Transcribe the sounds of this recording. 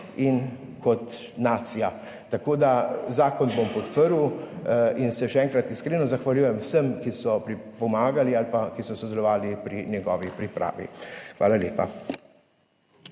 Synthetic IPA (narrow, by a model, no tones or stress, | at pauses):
inkʰɔt̪ | naːt̪sija | t̪akoːd̪azaːkɔnbompɔt̪pəɾw | insɛʃɛɛːŋkɾat̪iskɾenɔzaxʋalʲjuːjɛmwsəmkisɔpɾipɔmaːɡalialpakisɔsɔd̪ɛlɔʋaːlipɾinjɛɡɔːʋipɾipɾʔa̰ːʋḭxʋa̰ːlaljeːpa̰